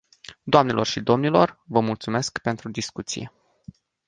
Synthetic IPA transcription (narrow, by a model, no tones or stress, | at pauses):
d̪oamne̞lo̞rʃid̪o̞mnilo̞rvəmult̪sume̞skpe̞nt̪ɾud̪iskut̪sḭje